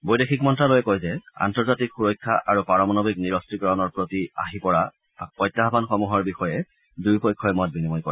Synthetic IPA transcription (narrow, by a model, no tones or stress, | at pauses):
bojdexʰikmɔntɹalojɛkojzɛa̰ntɔɹzatikxuɹɔjkʰːaʔaɹupaɹɔmɔnɔbikniɹɔstɹikɹɔnɔɹpɹotia̰ɦipɔɹa | pɔjtːaɦabanxɔmuɦɔɹbixɔjɛ | dujpɔjkʰːɔjmɔt̚binimɔjkɔɹɛ